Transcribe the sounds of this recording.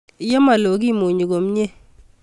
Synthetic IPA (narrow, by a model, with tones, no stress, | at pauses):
jɔ˦ma˨lo˨ɡi˦˨mo˨ɲo˨ɡo˨mɲe˦